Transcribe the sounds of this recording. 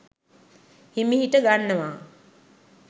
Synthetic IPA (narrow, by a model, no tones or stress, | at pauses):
himiɦiʈəɡanːəʋaː